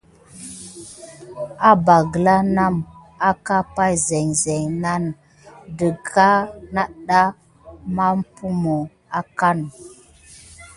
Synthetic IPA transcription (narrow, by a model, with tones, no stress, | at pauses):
a˦ba˨ɡə˨la˦na˦m | a˦ka˦pa˦jze˨ŋze˨ŋna˦n | də˨ɡa˦na˦ɗa˦ | ma˦m˦pu˦mo˨ | a˦ka˦n